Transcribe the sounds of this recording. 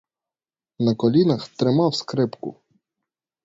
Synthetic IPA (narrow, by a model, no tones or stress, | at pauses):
nɐkɔlʲinɐxt̪ɾɪmɑwskɾɪpkʊ̰